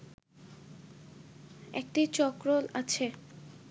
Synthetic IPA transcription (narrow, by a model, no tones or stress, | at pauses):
ḛk̚ʈit͡ɕɔkɾolat͡ɕʰe